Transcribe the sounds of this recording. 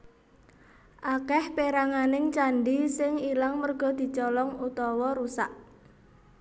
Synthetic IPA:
ʔakɛhpeɾaŋanɪŋt͡ʃaɳɖisɪŋilaŋmərɡ̥ɔ̤d̪̥i̤t͡ʃɔlɔŋut̪ɔwɔɾusa̰ʔ

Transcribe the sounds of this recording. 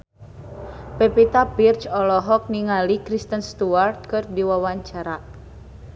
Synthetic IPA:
pepit̪apirt͡ʃɔlɔɦɔk̚niŋalikɾist̪ənst̪uart̪̚kɨrd̪iwawaɲt͡ʃaɾa

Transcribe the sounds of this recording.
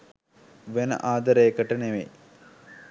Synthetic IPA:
ʋenə̰ʔaːd̪əɾəjəkəʈəneʋḛ

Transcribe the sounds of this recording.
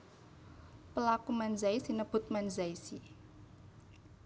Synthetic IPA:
pəlakumanzaisinəb̥ʊ̤t̪̚manzaisi

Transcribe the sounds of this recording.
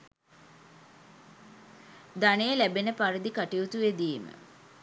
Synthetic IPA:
d̪anejəlæbenəpaɾid̪ikaʈiut̪uʋed̪iːmə̰

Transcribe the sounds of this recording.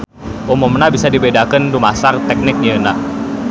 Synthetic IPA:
ʔumɔmnabisadibedakəndumasart̪ɛk̚nɪk̚niəna

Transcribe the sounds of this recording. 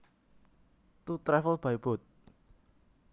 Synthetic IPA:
t̪ut̪ɾɛfəlb̥aib̥ɔ̤t̪̚

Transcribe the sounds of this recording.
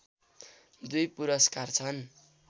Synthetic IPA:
d̪ujpuɾʌskart͡sʰʌn

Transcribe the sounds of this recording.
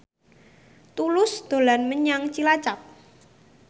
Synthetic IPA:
t̪ulʊsd̪̥o̤lanməɲaŋt͡ʃilat͡ʃap̚

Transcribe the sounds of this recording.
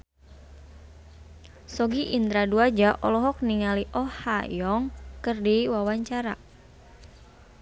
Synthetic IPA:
sɔɡiʔind̪ɾaduad͡ʒaʔɔlɔɦɔk̚niŋaliʔɔhajɔŋkɨrdiwawaɲt͡ʃaɾa̰

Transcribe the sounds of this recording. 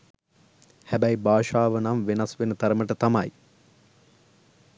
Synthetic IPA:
hæbæjbaːʃaːʋənamʋenasʋenət̪ɐɾəməʈət̪amɐj

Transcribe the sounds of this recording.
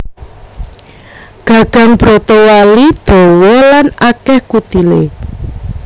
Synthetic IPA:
ɡ̥a̤ɡ̥ä̤ŋb̥ɾot̪ɔwalid̪̥o̤wɔlanakɛhkut̪ile

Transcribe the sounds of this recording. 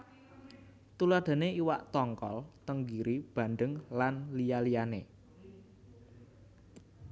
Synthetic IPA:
t̪ularɖ̪̥ä̤neiwaʔt̪ɔŋkɔ̰lt̪əŋɡiɾʔib̥ä̤nd̪əŋlanlijalijane

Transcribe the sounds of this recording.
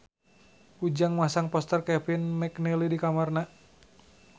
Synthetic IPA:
ud͡ʒaŋmasaŋpɔst̪ərkɛfinmɛknɛlidikamarna

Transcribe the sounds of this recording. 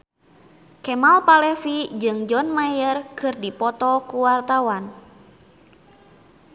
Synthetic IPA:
kɛmalpalɛfid͡ʒɨŋd͡ʒɔnmajərkɨrdipɔt̪ɔkuwart̪awan

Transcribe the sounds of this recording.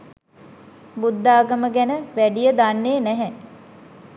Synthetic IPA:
bud̪ːaːɡəməɡænəʋæɖijəd̪anːeːnɛɦɛ

